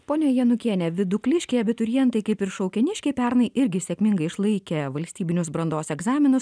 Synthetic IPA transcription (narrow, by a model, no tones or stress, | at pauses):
poːnʲɛjɛnʊkʲiɛnʲɛʋʲɪd̪ʊklʲɪʃʲkʲɛɪɐbʲɪt̪ʊɾʲɪjɛnt̪ɐɪkɐɪpɪɾʃɒʊkʲɛnʲɪʃʲkʲɛɪpʲæɾnɐɪʔɪɾʲɡʲɪsʲɛkʲmʲɪŋɡɐɪɪʃlˠɐɪkʲɛʋɐlʲsʲt̪ʲiːbʲɪnʲʊsbɾɐnd̪oːsɛɡzɑːmʲɪnʊs